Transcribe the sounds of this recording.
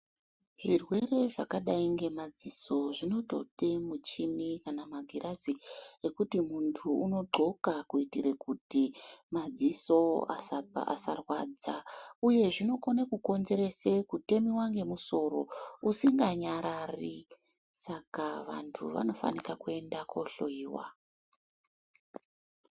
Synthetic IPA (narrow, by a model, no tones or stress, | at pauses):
ʐirwe̞re̞ʐakaɗaiŋɡe̞mad͡ziso̞ʐino̞to̞̰temut͡ʃinikanamaɡʱiɾʔaziekutimuntʰuuno̞ɡ͡ǃʱo̞kakuitiɾekutimad͡ziso̞a̰sapa̰sarwa̰ːd͡zauje̞ʐino̞konakuko̞nze̞ɾe̞sekute̞miwaŋɡe̞muso̞ɾo̞̰usiŋɡaɲaɾari | sakaʋa̰ntʰṵʋa̰no̞fa̰nikakue̞ndako̞ɬo̰iːwa̰